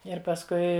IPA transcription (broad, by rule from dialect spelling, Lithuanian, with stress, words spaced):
ɪr pɐsˈkʊɪ